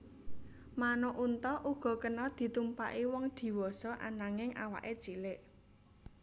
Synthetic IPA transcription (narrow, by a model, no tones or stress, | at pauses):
manoʔunt̪ɔʔuɡ̥ɔ̤kənɔd̪̥i̤t̪umpa̰ʔiwɔŋd̪̥i̤wɔsɔʔa̰naŋɪŋʔawa̰ʔe̥t͡ʃilɪʔ